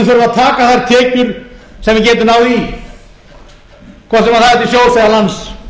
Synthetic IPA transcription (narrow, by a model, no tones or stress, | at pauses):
θœɾʏvaðt̪ʰaːkaθaɾt̪ʰɛːcʏɾ̥sɛmvɪcɛːt̪ʏnaːwði | kʰvɔsɛmaθaɛt̪ɪsjoːwfɛðalans